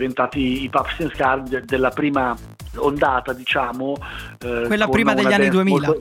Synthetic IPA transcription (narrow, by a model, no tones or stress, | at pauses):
vent̪aːt̪iːpapst̪inskard̪elːapɾiːma | ond̪aːt̪ad̪it͡ʃaːmo | welːapɾiːmadd̪eʎaːannːid̪uemioːllt̪